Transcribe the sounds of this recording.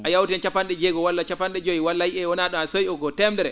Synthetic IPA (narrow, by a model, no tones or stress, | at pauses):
ʔajawtɛnt͡ʃapːanɗɛd͡ʒɛɡɔwalːat͡ʃapanɗɛd͡ʒojiwalːajiʔɛwɔnaɗɔasojɔɡɔtɛmdɛɾɛ